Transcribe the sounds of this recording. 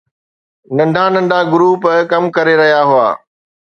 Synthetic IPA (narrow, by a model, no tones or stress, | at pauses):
nɐ̃nɖʱanɐ̃nɖʱaɡʊɾuːpkɐmkɐɾeɾɐɦijaɦua̰ː